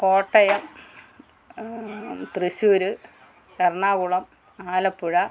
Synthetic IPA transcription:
ko̞ːʈːɐjɐm | t̪riɕuːɾɨ | kɐrɳaːɣuɭɐm | aːlɐpːuɻɐ

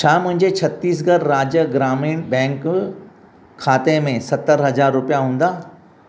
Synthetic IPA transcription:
t͡ʃʰaːmʊ̃ɦɪ̃ɲd͡ʑet͡ɕʰɐt̪ːiːs̬ɡɐɾɾaːd͡ʑjəɡɾaːmiːnbɛ̃ːŋk | kʰaːt̪emẽsɐt̪ːəɾɦɐzaːɾːʊpjaɦũːnd̪aː

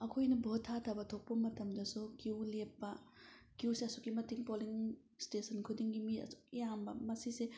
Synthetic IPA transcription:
ɐkʰojnɐbotʰːatʰɐbɐtʰok̚pɐmɐtɐmdɐsukiwlepːɐkiwseɐsukimɐtiŋpoliŋ | stesɐnkʰudiŋɡimiɐ̰su̥jambɐ̰mɐsise

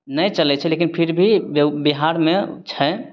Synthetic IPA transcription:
nəjt͡ʃəlɛt͡ʃʰɛlekinpʰiɾbʱibiɦaɾmet͡ʃʰɛ

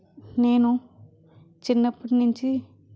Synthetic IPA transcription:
neːnũ | t͡ʃɪnːɐpːɐʈnuɲt͡ʃi

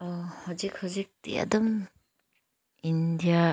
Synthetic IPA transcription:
ɔhɔzik̚hɔzik̚tḭa̰dɔm | indija

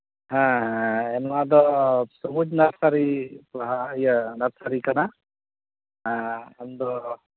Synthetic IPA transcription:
hãɦãɛnad̪ɔsɔbud͡ʒnaɾsaɾipɔɦajənaɾsaɾikana | ɦãɛnd̪ɔ

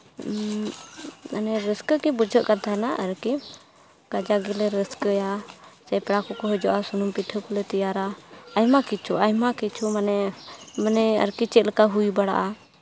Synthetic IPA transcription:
ənɛɾəskəkibud͡ʒʱəʔkat̪aɛnaʔəɾki | kad͡ʒaɡɛlɛɾəskəjasɛpɾakɔkɔɦɔd͡ʒɔʔasunumpit̪ʰəkɔlɛt̪ijaɾaəjmakit͡ʃʰuʔaɦmakit͡ʃʰumnɛmənɛə̰ɾkit͡ʃɛʔlkaɦujbaɽa̰ʔa

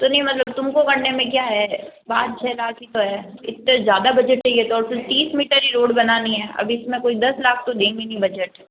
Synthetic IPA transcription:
t̪onɐɦĩmɐt̪ləb̚t̪ʊmkokɐɽnemẽk̬jaːɦɛbaːd̪̚t͡ʃʰɛːlaːkʰit̪oɦɛːɪt̪ːezjaːd̪abɐd͡ʒəʈɛiɛt̪oɔːɾfɪɾt̪iːsmiːʈəɾiɾoːɽbɐnanĩɦɛːʔɐ̰bɪsmẽkoːid̪ɐslaːk̚ʰt̪od̪ẽːŋɡinɐĩbɐd͡ʒəʈɛ

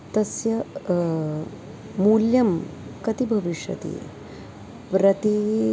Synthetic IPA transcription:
t̪ɐsjɐ | muljɐmkɐt̪ibʱɐʋiʂjɐ̰t̪ḭ | pɾɐt̪i

